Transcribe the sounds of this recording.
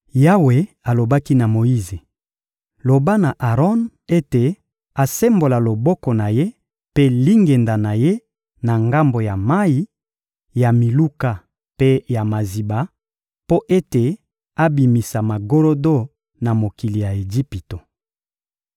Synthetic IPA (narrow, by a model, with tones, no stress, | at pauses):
ja˦we˨ | a˨lo˨ba˦ki˦na˨mo˨ji˦ze˨ | lo˨ba˦na˨ʔa˨ʁɔ˦n | e˦te˨ | a˨se˦mbo˨la˨lo˨bɔ˦kɔ˨na˨je˦ | pe˦li˦ŋɡe˨nda˨na˨je˦ | na˨ŋɡa˦mbo˨ja˨ma˦i˦ | ja˨mi˨lu˦ka˨ | pe˦ja˨ma˨zi˨ba˨ | po˦ʔe˦te˨ | a˦bi˨mi˨sa˨ma˨ɡo˦lo˦do˦ | na˨mo˨ki˨li˨ja˨e˨ɡi˦pi˨to˨